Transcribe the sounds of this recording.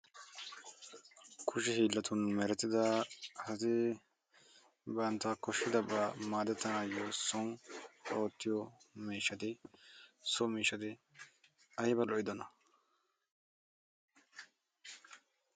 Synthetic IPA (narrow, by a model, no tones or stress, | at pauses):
kʰʊʃɛhiːlːɐt̪ʊnmɛɾɛt̪ːɪd̪ɐhɐt̪ɪ | bɐnt̪ːɐkɔʃːɪd̪ɐbamaːd̪ɛt̪ːɐnaːjosɔŋoːt̪ːɪjɔmiːʃːɐt̪ɪ | sɔmiːʃːɐt̪ɪ | ɐjɪbɐlɔʔɪd̪ɔnɐ